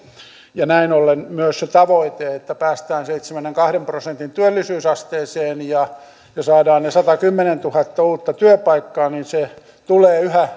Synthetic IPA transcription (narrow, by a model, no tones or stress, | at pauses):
jɑnæinolːenmyøsset̪ɑʋoit̪eet̪ːæpæːst̪æːnseit̪semænːeŋkɑhɾemprosent̪int̪yølːisyːsɑst̪eːseːnjɑ | jɑsɑːdɑːnnesɑt̪ɑkymːenent̪uhɑt̪ːɑuːt̪ːɑt̪yøpɑikːɑːninse | t̪uleːyhæ